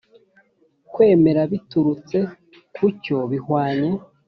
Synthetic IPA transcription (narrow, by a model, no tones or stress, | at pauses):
kwe̞ːme̞ɾaβituɾut͡se̞ | kuco̞βihwaːɲe